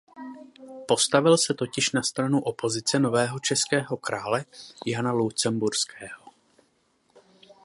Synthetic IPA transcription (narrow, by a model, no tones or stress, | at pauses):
po̞st̪avɪlsɛt̪o̞cɪʃnast̪ɾanuʔo̞pʰo̞zɪt͡sɛno̞vɛːɦo̞t͡ʃɛskɛːɦo̞kɾaːlɛjanalut͡sɛmbuɾskɛːho